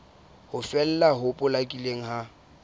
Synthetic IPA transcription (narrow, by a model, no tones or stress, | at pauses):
hʊfɛl̩laɦʊpʼʊlakʼileŋ̩ɦa